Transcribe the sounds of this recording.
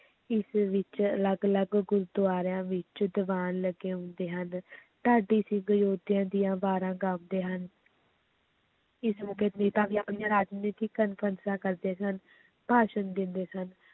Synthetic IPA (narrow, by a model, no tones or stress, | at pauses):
ɪsʋɪt͡ʃələɡələɡɡʊɾd̪ʊaːɾãːʋɪt͡ʃd̪əʋaːnləɡeːɦʊ̃nd̪eːɦənt̪aːɖiːsɪ̃ːɡəjoːd̪jãːd̪ɪjãːbaːɾãːɡəmd̪eːɦən | ɪsmukeːt̪miːt̪ãːkiːapniːjãːɾaːd͡ʒniːt̪iːkənpʰənsãːkəɾd̪eːsən | b̥ʱaːʃənd̪ɪ̃nd̪eːsən